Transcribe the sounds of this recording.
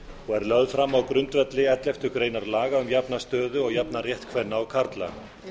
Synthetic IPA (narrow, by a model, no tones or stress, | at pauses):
ɔɣɛɾlœðfɾamːawkɾʏnt̪vɛt̪lɪɛt̪lɛft̪ʏkɾeːjnaɾlaːɣaʏmjapnast̪œːðʏɔɣjapnarjɛht̪kʰvɛnːaawkʰaɾt̪la̰